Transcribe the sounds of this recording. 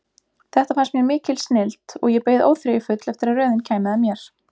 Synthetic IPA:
θɛht̪afansmjɛmɪːcɪlsnɪlt̪ɔ̰ɣjɛpeːjðo̰wfɾajɪfʏt̪lɛft̪ɪɾarœːðɪncʰaːjmɪðamjɛɾ̥

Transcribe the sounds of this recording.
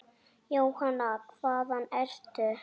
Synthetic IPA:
jowhanakʰv̥aːðanɛɾ̥t̪ʏ

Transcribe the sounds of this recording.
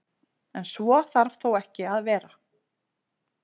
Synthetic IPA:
ɛnsvɔθaɾvθowɛhcɪaðvɛːɾa

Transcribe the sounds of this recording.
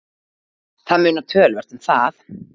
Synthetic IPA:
θaðmʏːnat̪ʰœːlvɛr̥t̪ʏmθaθ

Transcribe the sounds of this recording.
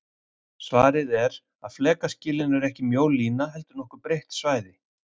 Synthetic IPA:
svaːɾɪðɛɾ | aðflɛːkascɪːlɪnɛɾɛhcɪmjoːwliːnaɦɛlt̪ʏɾnɔhkʏɾpɾejht̪svaːjðɪ

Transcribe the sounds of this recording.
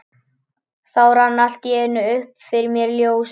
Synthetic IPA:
θawranːal̥t̪jɛɪnːʏʏhpfɪɾɪɾmjɛɾljoːws

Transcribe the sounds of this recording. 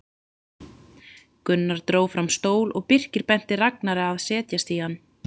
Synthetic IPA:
kʏnːaɾ̥t̪ɾoːwfɾamst̪oːwlʔɔɣpɪr̥cɪɾpɛn̥t̪ɪraknaɾɪaðsɛːt̪jast̪iːanː

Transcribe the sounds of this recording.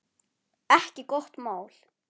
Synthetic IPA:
ɛhcɪkɔht̪maːwl̥

